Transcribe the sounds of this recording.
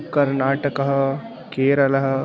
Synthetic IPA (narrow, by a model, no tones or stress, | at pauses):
kɐɾnaːʈɐkɐɦɐ̆ | keːɾɐlɐɦɐ̆